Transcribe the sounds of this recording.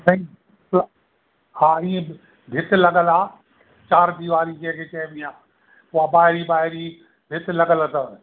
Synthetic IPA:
sɐ̃ĩ | l | haːiːẽ | b̪ʱɪt̪ɪlɐɠəlaː | t͡ɕaːɾd̪iʋaːɾikɐ̃ɦɪ̃kʰeːkɐ̃bĩaː | ʊɦabaːɦɪɾibaːɦɪɾi | d̪ʱɪt̪lɐɡəlt̪ɐ

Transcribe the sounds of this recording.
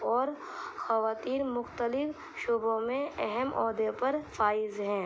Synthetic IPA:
ɔːɾ | xɐʋaːt̪iːɾmʊxt̪əlɪf | ʃoːbõmẽɛɦɛmʔɔːd̪epɐɾfaːɪzɦɛ̃ː

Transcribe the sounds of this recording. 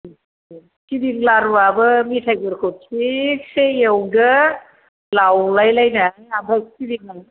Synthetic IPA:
sidiŋlaɾwabɯmitʰajbɯɾkʰosʰik̚sejewdɯ | lawlajlajnaiabʱaksidiŋan

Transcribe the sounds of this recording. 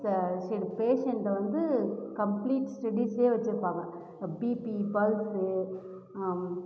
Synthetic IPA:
sɐɾipeːʂɛɳʈɐʋɐnd̪ɯkɐmpliːʈsʈɐɽiseːʋɐt͡ʃːɯɾɯpːaːŋɡɐ̃ | biːpibɐlsɯ

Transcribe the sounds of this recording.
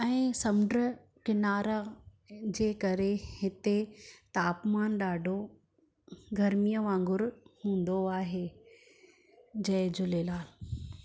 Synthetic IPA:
ɛ̃ːsɐmʊɖɾə | kɪnaːɾa | d͡ʑeːkɐɾehɪt̪et̪aːpmaːnɗaːɖʱo | ɡʱɐɾmijəʋãːŋɡʊɾhũːn̆d̪oaːɦeː | d͡ʑɐɪd͡ʑʊleːlaːl

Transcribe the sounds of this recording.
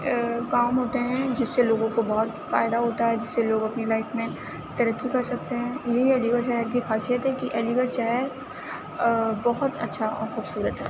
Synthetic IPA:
kaːmɦoːt̪eɦɛ̃d͡ʒɪsːeloːɡõkobɔɦʊt̪fa̰ːɪd̪aɦoːt̪aɦɛd͡ʒɪsːeloːɡɐpnilaːɪfmẽ | t̪ɐɾəkːikɐɾsɐk̚t̪eɦɛ̃jɐɦiɛːliɡəɾʃɛɦəɾk̬ixaːsijət̪ɦɛkiʔɛːliɡəɾʃɛɦəɾ | bɐɦʊt̪ɐ̰tːʃʰaʔɔ̰ːɾxuːbsuːɾət̪ɦɛ̰ː

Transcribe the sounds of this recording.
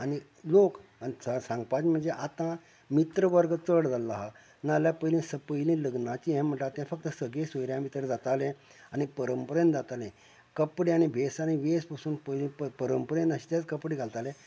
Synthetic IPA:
añi | lokanisasãŋɡpat͡sm̤əɳd͡zeʔat̪ã | mit̪ɾəʋəɾɡət͡səɽd͡zalːaɦa | naljapəilĩsəpəjlĩːləɡnãt͡ɕiɛ̃m̤əɳʈat̪jãfək̚t̪əsəɡẽsəjɾjãmit̪ɾd͡zat̪alɛ̃ | añipəɾəmpəɾənd̪d͡zat̪alɛ̃ | kəpɽeañibʱesaniʋespasuːnpəjlĩpəɾəmpəɾənd̪əɕi̥t̪jat͡skəpɽiɡʱalt̪alɛ̃

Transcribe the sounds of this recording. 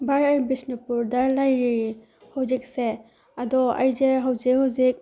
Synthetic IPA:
bajajbisnipuɾdɐlajɾi | hawzik̚se | ɐdɔɐ̰jd͡ʒeɦawzek̚hawzik̚

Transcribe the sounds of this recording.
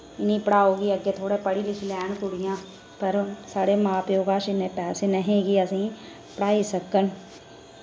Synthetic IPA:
ɪnĩpɽaːoːɡiɐɡet̪ʰoːɽepɐɽilɪt͡ʃʰlɛːnkʊɽijãː | pɐɾsaːɽemaːpjoːɡaːʃɪnepɛːsenɐɦĩɡiɐsĩ | pɽaːisɐkːən

